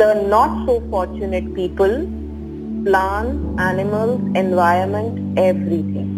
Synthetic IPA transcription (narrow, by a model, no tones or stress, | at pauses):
d̪̥ənɔʈsoːfɔːɾt͡ʃuneʈpiːpəl | plãnænɪməlzɛ̃nʋaɪəɾmə̃ɳʈɛʋɾit̪ʰɪ̰̃ŋ